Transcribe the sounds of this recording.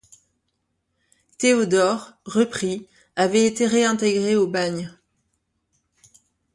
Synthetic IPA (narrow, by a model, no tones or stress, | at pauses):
t̪eod̪ɔʁʁəpχi | avɛet̪eʁeɛ̃t̪eɡʁeobaɲ